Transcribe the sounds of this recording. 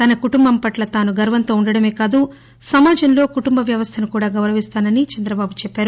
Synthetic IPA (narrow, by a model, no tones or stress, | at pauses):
t̪ɐnɐkuʈumbɐmpɐʈlɐt̪aːnuɡɐɾʋɐnt̪oːuɳɖɐɽɐme̞ːkaːd̪u | sɐmaːd͡ʒɐnlo̞ːkuʈumbɐʋjɐʋɐst̪ʰɐnukuːɽaːɡɐwɾɐʋist̪aːnɐnit͡ʃɐnd̪ɾɐbaːbut͡ʃɛpːaːɾu